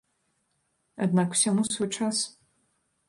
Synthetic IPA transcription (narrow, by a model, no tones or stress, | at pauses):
ad̪nakw̥sʲamusvɔjt͡ʂas